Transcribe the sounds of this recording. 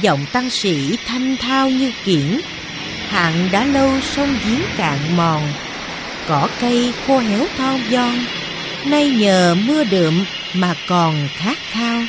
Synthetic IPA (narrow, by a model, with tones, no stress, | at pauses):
zə̰˧˨wŋ͡mt̪a˧ŋsḭ˧˥t̪ʰa˧jŋ̟t̪ʰaː˧wɲɨ˧ki˧˩ən | ha̰ː˧˨nɗa̰ː˧˥lə˧wsə˧wŋ͡mzi˨˦ənka̰ː˧˨ŋmɔ˨˩ŋ | kɔ˧˩˦kə˧jxo˧ɦɛ˨˦wt̪ʰɔ˧wzɔ˧ŋ | na˧jɲəː˨˩mɨ˧əɗɨ̰˧˨əmː | aː˨˩kɔ˨˩nxaː˦˥k̚t̪ʰaː˧w